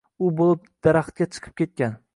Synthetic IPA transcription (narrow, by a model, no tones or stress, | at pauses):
ʊbolˠɪp̚d̪̥aɾaχt̪̚kʲat͡ʃʰɨ̥qʰɨ̥p̚kʲe̞t̪̚kʲan